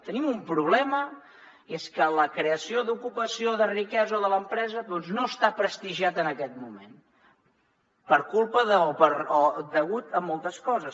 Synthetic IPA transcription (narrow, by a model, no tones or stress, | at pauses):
t̪ənimumpɾuβ̞lɛmə | eskələkɾeəsioðukupəsioðərikɛzəoðələmpɾɛzəðɔnznoəst̪apɾəst̪iʒiat̪ənəkɛt̪̚mumḛn | pəɾkulˠpəðəopəɾɔd̪əɣut̪əmːɔlˠt̪əskɔzəs